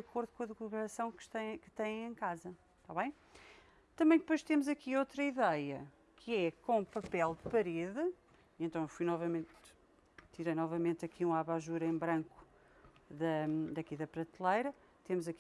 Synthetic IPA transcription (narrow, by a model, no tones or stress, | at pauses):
d̪ɐkoɾðukõɐðɨɣlˠuɣɾɐsɐ̃w̃kʃt̪ɐ̃kɨ̥t̪ɐ̃j̃ẽj̃kazɐ | t̪aβɐ̃j̃ | t̪ɐ̃mɐ̃j̃d̪ɨpojʃt̪emuzɐkiot̪ɾɐiðɛjɐ | kʰɨɛkõũpɐpɛlˠd̪ɨpɐɾeðɨ | iẽnt̪ɐ̃w̃efujnɔvɐmẽnt̪ | t̪iɾɐjnɔvɐmẽnt̪ɐkʰiũaβaʒuɾɐẽbɾɐ̃ŋku̥ | ðɐd̪ɐkiðɐpɾɐt̪ilˠɐjɾɐ | t̪emuzɐk